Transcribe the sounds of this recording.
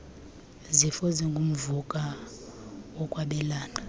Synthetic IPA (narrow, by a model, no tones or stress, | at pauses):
zifɔzɛŋɡʱum̩vukʼa | wɔkʼwaɓɛlaːna